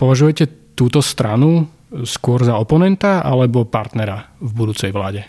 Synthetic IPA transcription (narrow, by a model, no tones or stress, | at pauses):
pɔʋaʒujɛcɛt̪uːt̪ɔst̪ɾanu | skʊɔɾzaɔpɔnɛnt̪aa̰lɛbɔpaɾt̪nɛɾavbud̪uːt͡sɛjʋla̰ːɟɛ